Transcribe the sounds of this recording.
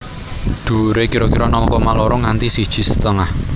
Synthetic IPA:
d̪̥ṳɾekiɾɔkiɾɔnɔŋkɔmaloɾɔŋant̪isid̥ʒ̥i̤sə̥t̪əŋah

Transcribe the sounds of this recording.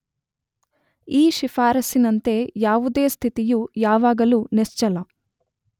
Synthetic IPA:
iːʃifaːɾɐsinɐnt̪e̞ːjaːʋud̪e̞ːst̪ʰit̪ijujaːʋaːɡɐlunest͡ʃɐlɐ

